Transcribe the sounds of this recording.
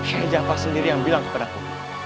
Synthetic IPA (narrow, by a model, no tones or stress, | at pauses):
ʃad͡ʒapasəndiɾijaŋbilaŋkə̥padaku